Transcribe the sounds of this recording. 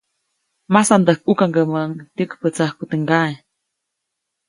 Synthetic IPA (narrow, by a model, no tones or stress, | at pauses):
masand̪əhk̚ukaŋɡəməŋt̪əkpət͡sahkut̪əŋɡae